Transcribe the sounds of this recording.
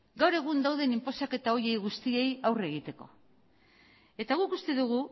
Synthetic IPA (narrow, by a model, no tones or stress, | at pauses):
ɡawɾe̞ɣ̞und̪awðe̞nimpo̞sake̞t̪ao̞ɾje̞jɣust̪ie̞jawre̞ɣit̪e̞ko̞̰ | e̞t̪aɣ̞ukust̪e̞ðuɣ̞u